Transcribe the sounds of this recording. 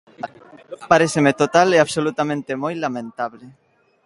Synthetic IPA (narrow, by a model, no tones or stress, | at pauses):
paɾeθemet̪ot̪aleaβsolut̪amẽnt̪emojlamẽnt̪aβle